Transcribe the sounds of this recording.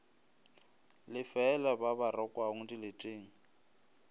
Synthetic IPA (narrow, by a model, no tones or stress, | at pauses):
lɪfɛːlababarɔkʼwaŋ̩dilɪtʼeːŋ̩